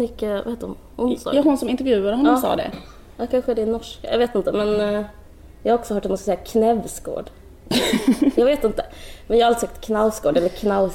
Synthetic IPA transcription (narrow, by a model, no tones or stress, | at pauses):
mʏkːəva̰heːt̪əɾʊm | hʊnsɑ̰ɾhʊnsɔmɪnt̪ɛɾvjʉ̟ːad̪əɦɔnːɔːsɑ̰ːd̪ɛ̰ | akʰanɧəd̪ɛɪnɔʂkajɑ̰ɡveːt̪ɪnt̪əmɛn | jɑːhaɾɔksɔhœːʈ̚ːdɛnmɔskasɛjːakʰnɛvsɡo̰ːɖ | jɑːɡveːt̪ɪnt̪əmɛnjɑːhaalɪsɛk̚t̪kʰnalskɡoːɖɛlːəɾkʰnal